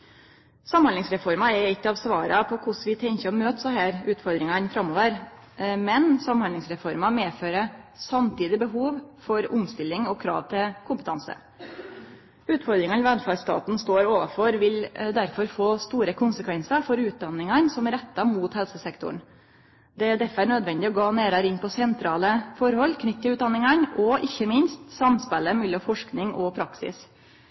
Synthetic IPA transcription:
sɑmhɑnlɪŋsɾɛfɔɾmɑɛɾɪkːəɑʋsʋɑːɾɑpʰɔkʰʊʂʋɪt̪ʰɛŋçəɔmøːt̪sɔhæːɾʉːt̪fɔɾd̪ɾɪŋɑnfɾɑmːoːʋəɾ | mɛnsɑmhɑnlɪŋsɾɛfɔɾmɑmeːføːɾəsɑmt̪ʰiːd̪ɪbəɦuːʋfɔɾʊmst̪ɪlːɪŋɔkʰɾɑ̰ːʋt̪ʰɪlkʰʊmpət̪ʰɑnsə̰ | ʉːt̪fɔɾd̪ɾɪŋɑnʋɛnfɑst̪ɑ̰ːt̪n̩st̪oːɾoːʋɑfɔɾʋɪld̪æɾfɔɾfoːst̪uːɾəkʰʊnsəkʰʋɛnsəɾfɔɾʉːt̪̚d̪ɑnɪŋɑnsɔmæɾɛt̪ːɑmuːt̪hɛlsəsɛkt̪ʊ̰ɳ | d̪ɛd̪ɛfəæɳøːd̪ʋɛnd̪ɪɔɡɑːneːɾɑɾɪnpʰɔsɛnt̪ʰɾɑːləfɔɾhɔlːkʰnʏt̪ːəʉːt̪̚d̪ɑnːɪŋɑnɔʔɪçːəmɪnst̪sɑmspɛlːəmɛlɔfɔʂknɪŋɔpʰɾɑksɪ̰s

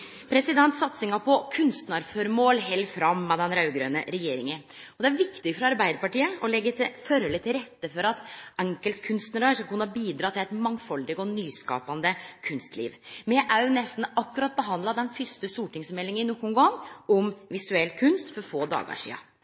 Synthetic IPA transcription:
pʰɾɛsɪd̪ɛnt̪sɑt̪sɪŋɑpʰɔkʰʉnst̪nɑɾføɾmoːlɦɛlfɾɑmːɑd̪ɛnɾɑʉɡɾøːnə̰ɾɛjeːɾɪŋən | ɔd̪ɛæɾʋɪkt̪ɪfɾɑɑɾbæɪd̪əɾpɑʈiːəɔlɛɡːət̪ʰɪføɾɔlət̪ʰɪlɾɛt̪ːəfɔɾɑt̪ɛŋkəlt̪kʰʉnst̪nəɾɑsɑkʉnːbiːd̪ɾɑːt̪ʰɪlɛɪt̪mɑŋfɔld̪ɪɡɔnyːskɑ̰ːpɑnd̪əkʰʉnst̪lḭːʋmɛʔæɾjʊnɛst̪n̩ɑkːʉɾɑt̪̚bəɦɑnd̪lɑd̪ɛnfʏst̪əst̪uːʈɪŋsmɛlːɪŋəɪnɔkːʊŋɡɔŋːɔmʋɪsʉɛlkʰʉnst̪fɔɾfoːd̪ɑ̰ːɡɑ̰ʂḭːɑ̰

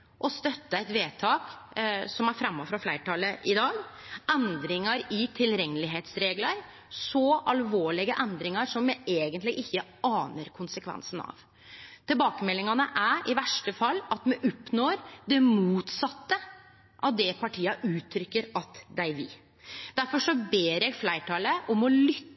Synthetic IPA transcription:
ʔɔst̪œt̪ːəɛɪt̪ʋeːt̪ʰɑːksɔmæɾfɾɑmːɔfɾɑflæɪʈʰɑləʔɪd̪ɑːɡɛnd̪ɾɪŋɑɾɪt̪ʰɪlɾɛŋːəlɪɦeːt̪sɾeːɡləɾ | sɔʔɑlʋoːɭɪɡəʔɛnd̪ɾɪŋɑɾʂɔmjɛeːɡənt̪lɪɡɪçːəʔɑːnəɾkʰʊnsəkʰʋɛ̰nsənɑ̰ʋ | t̪ʰɪlbɑːkəmɛlːɪŋɑnəʔæʔɪʋæʂʈəfɑlːɑt̪mɛʔɔpːnoːɾd̪ɛmuːt̪sɑt̪ːə | ʔɑd̪ɛpʰɑʈʰiːɑʔʉːt̪ʰɾʏkːəɾɑt̪d̪æɪʋɪ̰ | d̪̥æɾfɔʂɔbeːɾjɛɡflæɪʈʰɑːləʔɔmɔlʏ

